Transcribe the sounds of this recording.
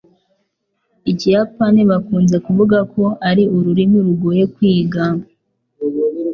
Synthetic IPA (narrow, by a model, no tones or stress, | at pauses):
icijapaniβakuːnze̞kuvuɡakʰo̞aɾiuɾuɾimiɾuɡoːje̞kwiːɡa